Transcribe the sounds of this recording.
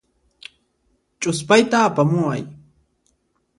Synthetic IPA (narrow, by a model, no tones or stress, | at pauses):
t͡ʃʼʊspajt̪aːpamʊwa̰j